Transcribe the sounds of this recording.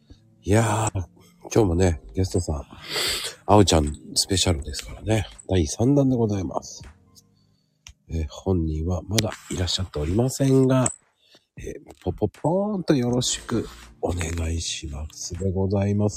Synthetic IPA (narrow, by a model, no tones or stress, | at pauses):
ja | kʲo̞ːmo̞ne̞ɡʲe̞s̬ɨ̥t̪o̞sã̰ŋ | aot͡ɕãnsɨ̥pe̞ɕaɾɯ̟d̪e̞sɨ̥kaɾane̞d̪̥aisãnd̪ãnd̪e̞ɡo̞zaima̰sɨ̥ | eːhõ̞ɲ̟ːĩɰ̃βamad̪aiɾaɕːat̪ːe̞o̞ɾʲimasẽ̞ŋɡa | eːpʰopːopʰõnt̪o̞jo̞ɾo̞ɕi̥kɯ̟o̞ne̞ɡaiɕimasɨd̪e̞ɡo̞zaimas